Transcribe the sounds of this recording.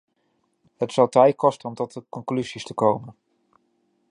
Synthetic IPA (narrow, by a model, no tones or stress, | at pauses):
ɦətsɑwtɛjt̚kɔstənɔmtɔtəkɔŋklyzistəkowmən